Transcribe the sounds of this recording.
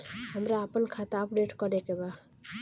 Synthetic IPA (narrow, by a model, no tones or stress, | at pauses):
ɦəmɾaːpənkʰat̪aəpɖeʈkʌɾekeba